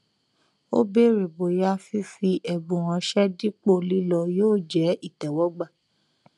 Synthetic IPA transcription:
o̰˦be˦ɾe˨bo˨ja˦fi˦fi˧ʔɛ˨bũ˨w̃ɔ̃˧ʃɛ˦di˦k͡po˦˨li˦lɔ˧joː˦˨d͡ʒɛ˨˦i˦˨tɛ˨wɔ˦ɡ͡ba˦˨

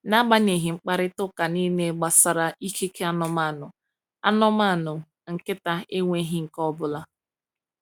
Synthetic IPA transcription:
na˦ɡ͡ba˦ne˨ɦɪ˨ŋ͡m̩˦k͡pa˦ɾɪ˦tʊ˦ka˨ni˦ne˦ɡ͡ba˨sa˨ɾa˨i˦ke˦ke˦a˦nɔ˨ma˦˨nʊ˨ | a̰˦nɔ˦ma˦˨nʊ˨ | ŋ̩˨kɪ˦ta˦e˦ŋʷe˦ɦɪ˦ŋ̩˨kɔ˦bʊ˦la˦

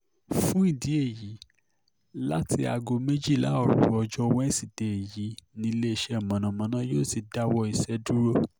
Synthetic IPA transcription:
fũ˦i˦˨di˨˦e˦˨ji˨˦ | la˦ti˧a˧˨ɡo˧mẽ˦d͡ʒi˦˨la˨˦ɔ˦˨ɾṵ˨˦ɔ˧d͡ʒɔ˦˧wɛ̃˦si˦˨d̥e˨e˨ji˨˦nĩ˧˦le˦i˧ʃɛ˦˨mã˨nã˨mã˨˦nã˦joː˦˨si˨da˦wɔ˧i˧sɛ˧du˦ɾo˦

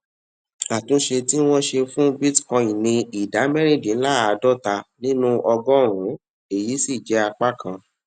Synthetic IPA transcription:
a˨tũ˨˦ʃe˧ti˦w̃ɔ̃˦ʃe˧fũ˦bi˦tkɔ̃˧i˨nĩ˧i˨da˨˦mɛ˦ɾi˦˨dĩ˨n̩˦la˦a˨˧dɔ˦˨ta˧nĩ˦nũ˦ʔɔ˧ɡɔ̃˦˨ɾ̃ũ˨˦ | e˦˨ji˨˦si˦˨d͡ʒɛ˨˦a˧k͡pa˦kʰã˧

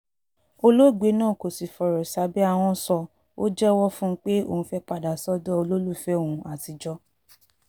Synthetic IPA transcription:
o˧lo˦˨ɡ͡be˨˦nãː˦˨ko˨si˨fɔ˨ɾɔ˨sa˨˦bɛ˦a˦˧w̃ɔ̃˧sɔ˧ | o˦d͡ʒɛ˦wɔ˦fũ˦k͡pe˦o̰˧˨ũ˧fɛ˦k͡pa˧da˨sɔ˦dɔ˦o˧lo˦lu˦˨fɛ˦õ˦˨ũ˨˧a˨ti˨d͡ʒɔ˦

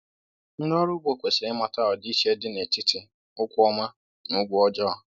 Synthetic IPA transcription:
n̩˦nɔ˦ɾʊ˦ɡ͡bo˦kʷe˨se˨ɪ˦ma˨ta˦ɔ˨di˦ʃe˦dɪ˦ne˨tɪ˦tɪ˨ | ʊ˦kʷʊ˦ɔ˦ma˦ | nʊ˦ɡʷʊ˦ɔ˦d͡ʒɔ˦ɔ˨

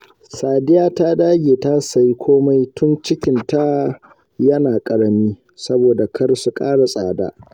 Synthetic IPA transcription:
saː˨dɪ˦jaː˦ta˦daː˦ɡʲeː˨ta˦sa˨ji˦kʷʰoː˦ma˦jtʊ˦nt͡ʃɪ˦kʲɪ˨nta˦ | jɐ˦naː˨kʼɐ˨ɽɐ˦miː˦ | sɐ˦boː˨da˨kʰɐ˦ɽsu˦kʼaː˦ɽa˨sʼa̰ː˨da̰ː˦

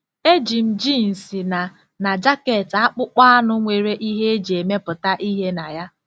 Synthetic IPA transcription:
e˦d͡ʒi˨m̩˨d͡ʒi˦n̩˨si˨na˨ | na˨d͡ʒa˦ke˨ta˦k͡pʊ˦k͡pa˦a˦nʊ˦ŋʷe˨ɾe˦ʔi˦ɦe˦e˦d͡ʒi˨e˨me˦pʊ˨ta˦ʔi˦ɦe˦na˨ja˦

